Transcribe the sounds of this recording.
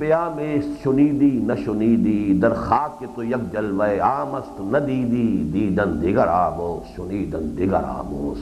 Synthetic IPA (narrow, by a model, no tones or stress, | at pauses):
pejaːmeːsʃʊniːd̪iːnɐʃʊniːd̪iːd̪ɐɾxaːkːet̪ojɐk̚d͡ʒɐlʋɐeaːmɐst̪nɐd̪iːd̪iːd̪iːd̪ɐnd̪ɪɡɐɾaːmoːsʃʊniːd̪ɐnd̪ɪɡɐ̰ɾa̰ːmo̰ːs